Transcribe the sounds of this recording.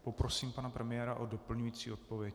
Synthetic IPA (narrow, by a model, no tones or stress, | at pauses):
popɾosiːmpanapɾɛmɪjɛːɾaʔodopl̩ɲujiːt͡sḭːo̞t̪povjɛc